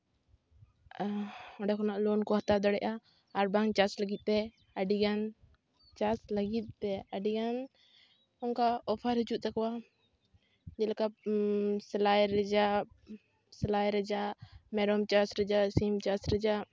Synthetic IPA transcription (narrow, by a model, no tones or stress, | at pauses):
ɔɖɛkʰɔnaʔlɔnkɔɦat̪ad̪ɔɽɛʔaː | ɾbaŋt͡ʃasləɡit̪̚ˀpɛ | aɖiɡan | t͡ʃasləɡit̪̚pɛəɖiɡan | ɔnkaɔpʰaɾɦid͡ʒuʔ̪̚t̪akɔwa | d͡ʒɛlaka | sɛlajɾɛd͡ʒa | sɛlajɾɛd͡ʒaʔmɛɾɔmt͡ʃasɾɛd͡ʒasimt͡ʃasɾɛd͡ʒaʔ